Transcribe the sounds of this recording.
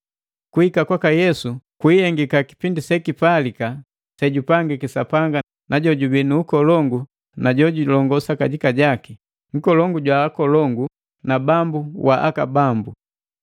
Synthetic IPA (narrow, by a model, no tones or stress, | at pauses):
kuhikakwakajɛsukwihɛŋɡikaki̥pindisɛkipalika | sɛɟupaŋɡikisapaŋɡa | naɟɔɟubinuːkɔlɔŋɡu | naɟɔɟulɔŋɡɔsakaɟikaɟaki | ŋ̩kɔlɔŋɡuɟwaːkɔlɔŋɡu | nabambuwaʔakabambu